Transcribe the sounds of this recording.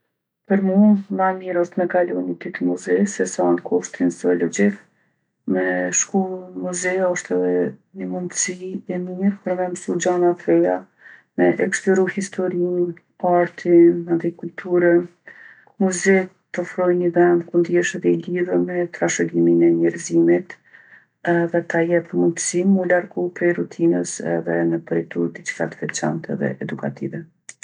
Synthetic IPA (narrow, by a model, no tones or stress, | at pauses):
pəɾmumanmɛɾɔst̪mɛkalunit̪it̪əmuzɛsɛsankʰɔʃt̪ɾinsɔɔlɔd͡ʑik | mɛʃkumuzɛjaɔʃt̪ɛðɛɲəmund̪siɛmiɾpəɾvɛnsud͡ʒanat̪ɾɛja | mɛʔɛkst̪ɔɾuhist̪ʰɔɾin | aɾt̪ʰiand̪ikult̪ʰuɾə | muzɛk̚ | t̪ɔfɾɔjnəvɛnkund̪jɛʃɛðɛiliðəmɛt̪ɾaʃɔliminɛɲɛɾzimit̪ | ɛðɛt̪ajɛt̪munt̪əsimulaɾɡupɾɛjɾut̪ʰinəsɛ̰ðɛnəpɾit̪uɾd̪it͡ʃka̰t̪vɛt͡ʃɛ̰nt̪ɛ̰ðɛ̰ʔɛd̪uka̰t̪ivɛ